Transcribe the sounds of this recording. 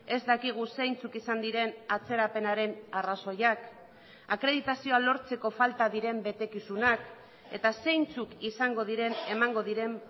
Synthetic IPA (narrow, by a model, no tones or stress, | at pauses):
e̞zd̪akiɣ̞use̞jnt͡sukisand̪iɾe̞nat͡se̞ɾape̞naɾe̞naraso̞jak | akɾe̞ðit̪asio̞alo̞ɾt͡se̞ko̞falt̪aðiɾe̞mbe̞t̪e̞kisunak | e̞̰t̪ase̞jnt͡sukisaŋɡo̞ðiɾe̞nemaŋɡo̞ðiɾe̞m